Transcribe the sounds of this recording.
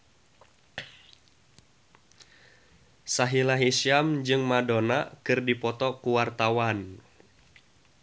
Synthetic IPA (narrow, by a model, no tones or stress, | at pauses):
saɦilaɦisiamd͡ʒɨŋmadonakɨrdipɔt̪ɔkuwart̪awan